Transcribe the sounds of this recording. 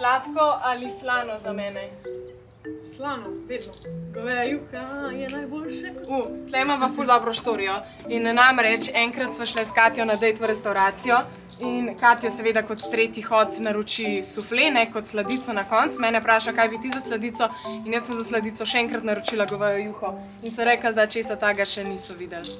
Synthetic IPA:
slaːt̪kɔʔalislaːnɔzamɛːnɛ | slanɔʋed̪nɔɡʋɛjuxjɛnajbolʃɛuslɛmɔʋɐfuld̪ɔbɾɔʃt̪oːɾijɔ | inːamɾɛt͡ʃɛŋkɾat̪sʋɔʃlɛskaːt̪jɔnad̪ɛjt̪ɔɾɛst̪awɾaːt̪sijɔ | inkaːt̪jɔsɛʋed̪akɔt̪ːɾeːt̪jixɔt̪naɾut͡ʃisuflenɛkɔt̪slad̪it̪sɔnakɔntsmɛːnɛpɾaːʃakajbit̪izaslad̪it̪sɔinjəsəmzaslɐd̪iːt̪sɔʃɛɛŋkɾat̪naɾut͡ʃiːlaɡɔʋəjɔjuːxɔ | insɔɾɛklad̪at͡ʃesat̪aɡaʃɛnisɔʋid̪ɛl

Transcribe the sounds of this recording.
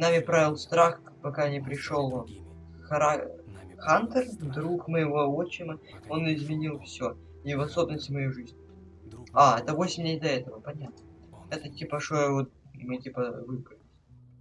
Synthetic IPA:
namʲɪpɾavʲɪlˠst̪ɾax | pɐkanʲɪpɾʲɪʂo̞lˠ | xɐɾaxant̪ərd̪ɾukmɨjɪvoɐot͡ɕɪmɨo̞nɪzmʲɪnʲilˠfsʲo | ivɐsobʲɪnəsʲtʲmɐjejʐɨzʲnʲ | aɛt̪əvo̞sʲɪmʲlʲejd̪ɐɛt̪əvəpɐnʲat̪̚nəɛt̪ətʲipəʂojvot̪̚mɨtʲipəvɨkɨlʲɪ

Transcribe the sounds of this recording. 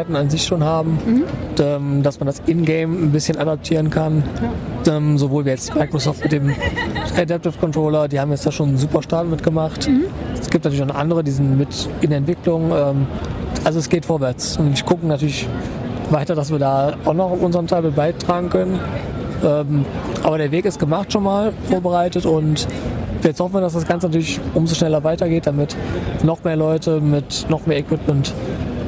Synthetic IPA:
aɪtn̩anzɪçʃoːnhaːbm̩ɛːmdasmandasʔɪnɡeɪmnbɪsçənʔadap̚tʰiːʁənkʰanʔɛːmzovoːlviːɐjɛt͡stmaɪkʁ̥osɔːftmɪt̚d̥eːmʔadɛp̚tɪfkʰɔntʁ̥oːlɐdiːhaːbm̩jɛt͡stjaːʃoːnzuːpɐʃtaːtmɪtɡ̥əmaχtsɡ̥iːp̚natylɪçnʊχʔa̰ndəʁədiːzɪntmɪtɪndeɐɛntv̥ɪklʊŋʔɛːmʔalzoɛsɡ̥eːtfoːɐvɛɐt͡sʊntiɡʊkŋ̩natʰyːɐlɪç | vaɪtɐdas̬v̥iːɐdaːʔaʊxnɔχʊfʔʊnzəʁəntʰaɪlmɪt̚b̥aɪtʁ̥aːɡŋ̩kʰœnənʔɛːmʔaːbɐɾeːɐveːkɪst̚ɡ̥əmaχtʃoːnmaːlfoːɐbəʁaɪtətʊntvːjɛt͡shɔfn̩viːɐdas̬d̥asɡ̥ant͡sənatʰyːɐlɪçʔʊmzoːʃnɛlɐvaɪtɐɡeːt̚d̥amɪtnɔχmeːɐlɔʏtəmɪtnɔχmeːɐɛkw̥ɪpmɛnt

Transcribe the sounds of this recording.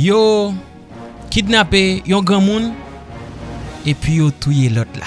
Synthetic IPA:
jo | kidnapejɔ̃ɡãmũn | epɥijot̪ujelɔt̪la̰

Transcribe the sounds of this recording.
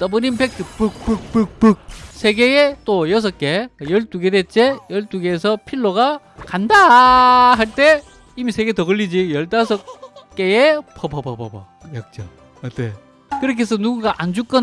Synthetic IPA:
t͈ʌbɯnimpek̚tʰɯpɯk̚pɯk̚pɯk̚pɯk̚sʰe̞ɡeet͈ojʌs̬ʰʌk͈e̞jʌɭt͈uɡedet͡ɕ͈ʰejʌɭt͈uɡe̞s̬ʰʌpʰiɭːoɡa | kanda | ɦaɭt͈e̞ | imisʰe̞ɡetʌɣʌʎːid͡ʑijʌɭt͈as̬ʰʌkk͈eepʰʌpʰʌpʰʌpʰʌpʌ̰ | jʌk̚t͡ɕ͈a | ʌte | kɯɾʌkʰes̬ʰʌnuɡuɡaʔand͡ʑuk͈ʌ

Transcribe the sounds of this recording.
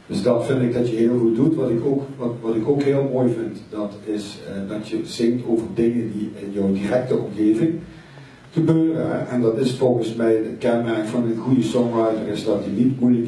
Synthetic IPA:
d̥əsdɑtfɪndɪɡ̚dɑtjəɦɪːlˠɣut̚dutʋɑtɪkokʋɑtʋɑtɪkokɦɪːlˠmoːjvɪntdɑtɪsdɑtjəz̥ɪŋtʰoːvərdɪŋəndiɪnjɔwdirɛk̚təɔmɣeːvɪŋ | ɣəbøːrə̰nɛ̰ʔɛndɑtɪsfɔlˠɣənsmɛjətkɛnmɛrkfɑnənɣujəsɔŋɑjtərɪsdɑtjənitmujlək

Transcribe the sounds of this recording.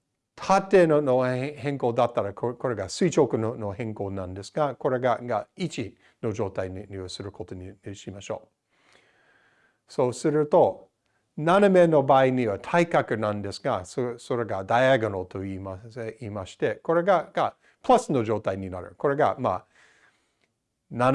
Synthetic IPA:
t̪ʰat̪ːeːnonohẽ̞ŋkoːd̪at̪ːaɾakko̞ɾe̞ɡasɨit͡ʃokɯ̟nono̞hẽ̞ŋko̞ːnãnd̪e̞sɨ̥ɡako̞ɾe̞ɡaɡait͡ʃi | no̞d͡ʒo̞ːt̪ainiɲiβasɨɾɯ̟kʰo̞t̪o̞nʲiɕimaɕo̞̰ː | so̞ːsɨɾɯ̟t̪o̞ | naname̞no̞baːiɲiβat̪ʰaikakɯ̟nãnd̪e̞sɨ̥ɡasoso̞ɾe̞ɡad̪ajeɡonot̪o̞iːmaiːmaɕi̥t̪e̞ko̞ɾe̞ɡaɡ̥a | plasɨno̞d͡ʒo̞ːt̪aiɲʲinaɾɯ̟̰ko̞ɾe̞ɡa̰maː | na

